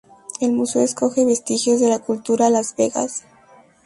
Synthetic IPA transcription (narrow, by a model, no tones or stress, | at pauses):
e̞lmuseoesko̞xe̞βe̞st̪ixjo̞zðe̞lakult̪uɾalazβe̞ɣa̰s